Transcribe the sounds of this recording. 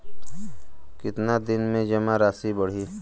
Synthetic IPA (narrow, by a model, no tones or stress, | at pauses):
kɪt̪nad̪ɪnmẽd͡ʒɐmaɾaːsibəɽ̤iː